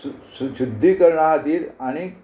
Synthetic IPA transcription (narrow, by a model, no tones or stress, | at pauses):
susud̪ʱːikəɾɳat̪iːɾaɽ̃i